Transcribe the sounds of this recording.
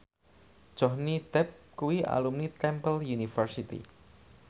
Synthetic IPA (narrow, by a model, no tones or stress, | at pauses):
ʒ̥ɔhnid̪̥ɛp̚kuwiʔa̰lumnit̪ɛmpəljunifərsit̪ḭ